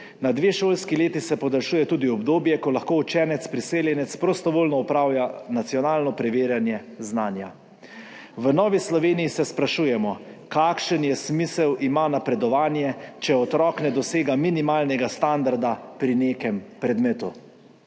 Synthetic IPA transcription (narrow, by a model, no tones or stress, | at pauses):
nad̪ʋeːʃoːlskileːt̪isɛpɔd̪alʃuːjɛt̪uːd̪iɔbd̪oːbjɛkɔlaxkoːut͡ʃɛːnɛt̪spɾiseːljɛnɛt̪spɾɔst̪ɔʋoːlnɔɔpɾaːwjanat̪sijɔnaːlnɔpɾɛʋeːɾjanjɛ | znaːnja̰ | ʋənɔːʋislɔʋeːnijisɛspɾaʃuːjɛmɔ | kaːkʃənjɛsmisɛwimanapɾɛd̪ɔʋaːnjɛt͡ʃɛɔt̪ɾɔːknɛd̪ɔseːɡaminimaːlnɛɡast̪and̪aɾd̪apɾineːkɛmpɾɛd̪meːt̪u